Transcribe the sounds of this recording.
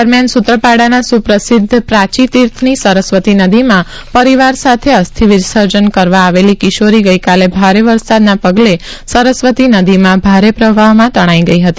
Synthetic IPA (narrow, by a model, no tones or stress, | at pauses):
əɾmjansut̪ɾəpaɽanasupɾəsɪd̪ʱːpɾãt͡ʃit̪iɾt̪ʰnisəɾəsʋət̪inəd̪imã | pəɾiʋaɾsat̪ʰeəst̪ʰiʋɪd̪səɾd͡ʒənkəɾʋãːʋelikɪʃoɾiɡəikalebʱaɾeʋəɾsad̪napəɡlesəɾəsʋət̪inəd̪imãbʱaɾepɾəʋʱaɦmãt̪əɽ̃aiɡəiɦət̪i